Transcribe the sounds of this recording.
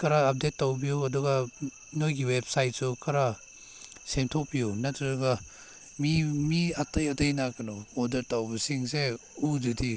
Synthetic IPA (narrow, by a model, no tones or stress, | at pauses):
kɐɾaːp̚det̚ːawbijuɐduɡɐ | nojɡiwep̚sajt̚sukʰɐɾa | semtʰok̚bijunɐtɾɐduɡɐ | mimiatɐjɐtɐjnakɐnɔodɐɾtawbɐsiŋse | ududi